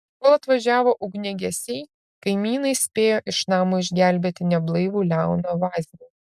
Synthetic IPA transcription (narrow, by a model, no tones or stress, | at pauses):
koːlˠɐt̪ʋɐʒʲæːʋoːʔʊɡnʲɛɡʲɛsʲɛɪ | kɐɪmʲiːnɐɪsʲpʲeːjoːʔɪʃnɑːmoːɪʒʲɡʲæˑlʲbʲeːt̪ʲɪnʲɛblˠɐɪʋuːlʲæˑʊnoːʋɑːzʲnʲuː